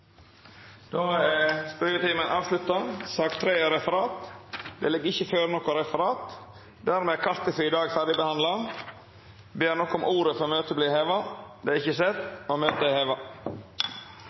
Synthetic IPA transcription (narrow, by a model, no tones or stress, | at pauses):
d̪̥oːspœʏɾət̪iːmənʔɑːʋslʉt̪ːɑsɑkt̪ʰːɾeːɛɾɛfəɾɑːt̪d̪ɛ̰ːlɪɡːɪçːəføːɾnɔkːʊɾɛfəɾɑːt̪ | d̪æɾmeːkʰɑɾt̪əfyɪd̪ɑːɡfæɾɖɪbəhɑnd̪lɑ | beːɾnɔkːɔmʔuːɾəfɔɾɔmøːt̪əbliːheːʋɑd̪ɛɾɪçəsɛt̪ːomøːt̪əheːʋɑ